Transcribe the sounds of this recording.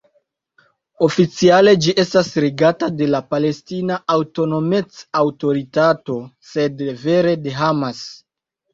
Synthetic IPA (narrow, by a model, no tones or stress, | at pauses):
o̞fit͡siale̞d͡ʒiʔe̞stasɾiɡatade̞lapale̞stinaawto̞no̞met͡sawto̞ɾitato̞se̞dve̞ɾe̞de̞ɦamas